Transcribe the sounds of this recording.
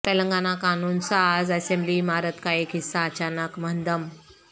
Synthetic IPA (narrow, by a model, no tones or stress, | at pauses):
t̪eləŋɡanakanuːnsad͡zɛsemblimaɾət̪kaikisaːt͡ɕanəkmənd̪əm